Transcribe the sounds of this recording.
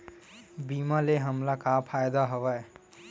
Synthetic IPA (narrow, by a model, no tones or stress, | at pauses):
bimaleɦəmlakapʰajd̪aɦobə